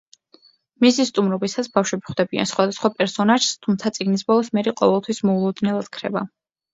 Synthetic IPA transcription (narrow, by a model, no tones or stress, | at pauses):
misist̪ʼumɾɔbisasbafʃwɛbiχd̪ɛbia̰nsχwad̪asχwapʼɛɾsɔnaʒ̥st̪ʰumt̪sʰat̪sʼiɡnisbɔlˠɔsmɛɾiqʼɔ̰vɛlˠt̪ʰwismɔulˠɔd̪nɛlˠad̪̥kʰɾɛ̰ba̰